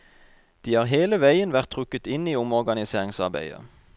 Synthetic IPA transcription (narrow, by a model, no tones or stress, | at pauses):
d̪̥iːhɑːʁɦeːləʋæɪənʋæʁt̪ʰʁʉkət̪ɪniːʊmɔʁɡɑnɪseːʁɪŋsɑʁbæ̰ɪə̰